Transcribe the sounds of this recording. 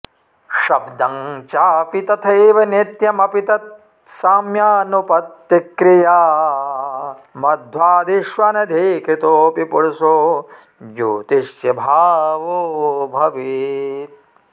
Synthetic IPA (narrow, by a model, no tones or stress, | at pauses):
ʃɐbd̪ɐŋt͡ʃaːpit̪ɐt̪ʰɐjʋɐnet̪jɐmɐpit̪ɐt̪̚ | saːmjaːnupɐt̪ːikɾijaː | mɐd̪ʱʋaːd̪iʃʋanɐd̪ʱiːkɾit̪oːpipuɽsoː | d͡ʒoːt̪iʃjɐbʱaːʋubʱɐʋit̪̚